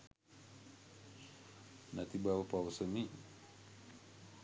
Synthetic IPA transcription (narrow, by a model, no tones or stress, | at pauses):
nat̪ibawpausəni